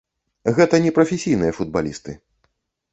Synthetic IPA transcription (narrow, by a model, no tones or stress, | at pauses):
ɣɛt̪ɐnʲɛpɾɐfʲesʲijnɨjɐfud̪̚balʲist̪ɨ